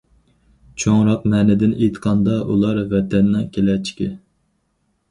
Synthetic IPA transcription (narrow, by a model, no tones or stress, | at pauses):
t͡ʃʰoŋɾɑq̚mɛːnɪd̪ɪnet̪qʰɑnd̪ɑʔṵlˠɑɾvɛt̪ʰɛnːɑkʲʰelɛt͡ʃʰi̥kʲɪ